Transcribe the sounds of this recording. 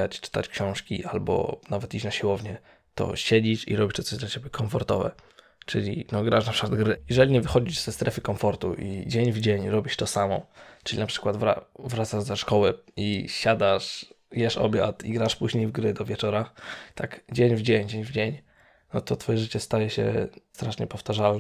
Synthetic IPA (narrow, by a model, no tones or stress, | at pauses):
at͡ɕt͡ʂɘ̥t̪a̰t͡ɕkɕɔ̃w̃ʂkʲḭʔalbɔ̰navɛt̪it͡ɕnaɕiwɔvɲɛ | t̪ɔ̰ɕed͡ʑiʂḭɾɔbʲit͡ɕt̪ɔt̪ɔʑd̪lat͡ɕebʲjɛkʰɔɱfɔɾt̪ɔvɛ̰ | t͡ʂɘlʲḭnɔɡɾaʂnapʂɘ̥kwad̪ɡɾɘjɛʐɛlʲiɲɛvɘxɔd͡ʑiʐz̥ɛst̪ɾɛfɘkɔmfɔɾt̪uʔid͡ʑeɲvd͡ʑeɲɾɔbʲiɕt̪ɔsamɔ̰t͡ʂɨlʲinapʂɘ̥kwad̪vɾa̰vɾat̪saʐzaʂkɔwɛiɕad̪aʂjɛʂɔ̰bʲja̰t̪ḭɡɾaʂpuʑɲejvɡɾɘd̪ɔvʲjɛt͡ʂɔɾat̪ʰakd͡ʑeɲvd͡ʑeɲd͡ʑeɲvd͡ʑeɲ | nɔt̪ɔt̪fɔjɛʐɘt͡ɕɛst̪ajɛɕɛ̰st̪ɾaʂɲɛpɔft̪aʐalnɛ